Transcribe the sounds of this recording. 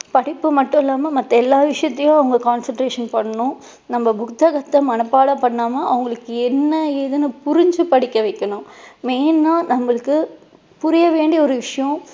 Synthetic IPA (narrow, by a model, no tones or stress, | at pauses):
pɐɽɪpːɯmɐʈːʊ̃ɪlːaːmɐmɐt̪ːɐɛlːaːʋɪʂɐjɐt̪ːɐjʊ̃ɐʋɐŋɡɐkaːnsɐɳʈɾeːʂɐnpɐɳːɐnʊ̃ | nɐmːɐbʊkt̪ɐɣɐt̪ːɐmɐnɐpːaːɽɐpɐɳːaːmɐɐʋɐŋɡɐɭɯkːɯɛnːɐɛðɯnɯpʊɾɪɲd͡ʒɯpɐɽɪkːɐʋɐɪkːɐɳʊ̃meːnːaːnɐmːɐɭɯkːɯ | pʊɾɪjɐʋeːɳɖijɐɔɾɯʋɪʂɐjɔ̃